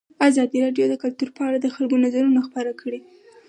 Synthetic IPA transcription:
azɑd̪iɾɑɖjod̪əkʊlt̪uɾpəaɽad̪əxalɡonazaɾunaxpəɾakʰəɽe

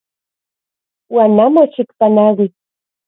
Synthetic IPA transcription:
wanamoʃɪkpanaɣɪ

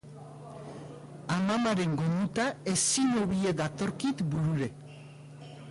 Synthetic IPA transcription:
amamaɾe̞ŋɡo̞nd̪ut̪ae̞sinoβie̞ðat̪o̞ɾkit̪buɾuɾe̞

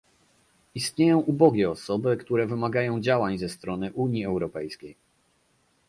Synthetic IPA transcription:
ist̪ɲejɔ̃w̃ʔubɔɡʲɛɔsɔbɘkt̪uɾɛvɘmaɡajɔ̃w̃d͡ʑawaɲzɛst̪ɾɔnɘʔuɲiɛwɾɔpɛjskʲej

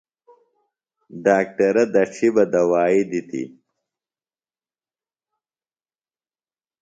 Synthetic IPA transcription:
ɖaːk̚ʈɐɾɐd̪ɐʈ͡ʂʰibɐd̪ɐwaːid̪it̪ʰḭ

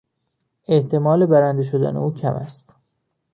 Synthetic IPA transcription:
e̞ʔt̪ʰe̞mɒːle̞bæɾænd̪eʃ̬o̞d̪æ̰nḛuːcʰæ̰mʔæ̰st̪

